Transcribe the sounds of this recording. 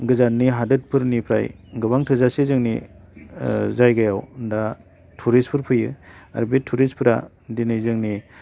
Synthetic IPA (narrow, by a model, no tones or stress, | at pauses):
ɡɯzanːiɦadɯt̚pʰɯɾnipʰɾa̰jɡɯbaŋtʰɯzasezɯŋni | zajɡajawnda | tʰuɾispʰɯɾpʰɯjɯ̰a̰ɾbetʰuɾispʰɯɾa̰ | dinɯjzɯŋni